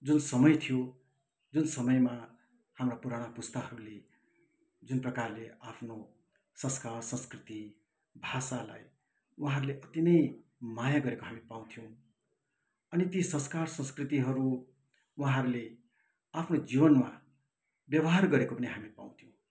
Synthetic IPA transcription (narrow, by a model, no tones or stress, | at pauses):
d͡zunsʌmʌjt̪ʰijo | d͡zunsʌmʌjma | hamrapuɾaɽ̃apust̪aɦʌɾule | d͡zunprʌkarleapʰno | sʌ̃nskarsʌ̃nskrit̪i | bʱasala̰j | wuɦãɾuleʔʌt̪inʌjmajaɡʌɾekoɦamipaw̃t̪ʰijow̃ | ʌnit̪isʌ̃nskarsʌ̃nskrit̪iɦʌɾu | waɦãɾule | apʰnod͡zibʌnma̰ | bjʌbʌɦarɡʌɾekopʌniɦamipa̰w̃t̪ʰijõw̃